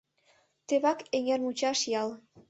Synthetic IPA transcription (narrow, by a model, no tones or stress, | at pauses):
t̪eβɑkeŋermut͡ɕɑʃjɑl